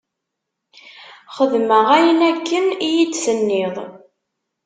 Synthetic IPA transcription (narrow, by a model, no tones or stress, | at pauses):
χəðməʁæjənækːənijid̪sənːeðˤ